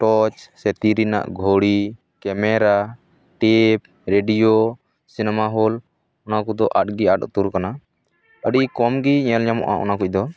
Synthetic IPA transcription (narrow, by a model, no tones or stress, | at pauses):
ʈɔt͡ʃsɛt̪iɾina̰ʔɡʱoɽi | kɛmɛɾa | ʈip̚ | ɾeɖijo | sinɛmaɦɔl | ɔnakɔd̪ɔʔaʈ̚ɡiaʈɔ̰t̪uɾkana | əɖikɔmɡiɲɛlɲamɔ̰ʔa̰ʔɔ̰nakuc̚d̪ɔ